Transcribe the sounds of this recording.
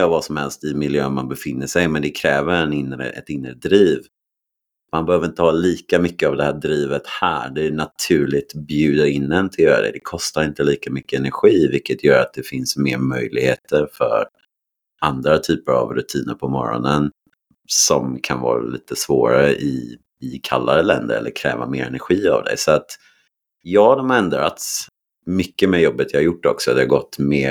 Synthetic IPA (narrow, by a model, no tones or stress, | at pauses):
avɑːsɔmhɛlst̪ɪmɪljøːnmanbɛfɪnːəʂɛjmɛnd̪ɛkʰɾɛːvəɾɛnɪnːɾə̰ʔɛ̰t̪ɪnːɾəd̪ɾiːv | manbɛhøːvəɾɪnt̪əhɑːliːkamʏkːəavd̪ɛhæːd̪ɾiːvət̪hæ̰ːɖɛːnat̪ʰʉ̟ːɭɪɡ̚t̪bjʉ̟ːd̪aɪnd̪ɛnt̪ʰɪljœːɾa̰d̪ɛ̰d̪ɛkʰɔst̪aɾɪnt̪əliːkamʏkːəɛnæɾɧiːvɪlkːət̪ʰjœːɾat̪̚d̪ɛfɪnsmeːɾmœjlɪɡhḛːt̪ʰəɾfœ̰ɾ | and̪ɾat̪ʰyːpəɾa̰vɾɵt̪ʰiːnəɾpʰɔmɔ̰ɾɔ̰nən | sɔmkʰanvɑ̰ːɾa̰liːt̪əsvoːɾa̰ɾəʔɪ | ɪkʰalːaɾəlɛnd̪ə̰ɾɛ̰lːəɾkʰɾɛ̰ːva̰meːɾɛnæɾɧiːa̰vd̪ɛ̰ɪsɔat̪ | jɑːhad̪ɔmhaɾɛnd̪ɾa̰t̪s | mʏkːəmɛːjɔbːət̪jɑhaɾjʊʈːɔ̰ksɔd̪ɛhaɡɔt̪ːmeː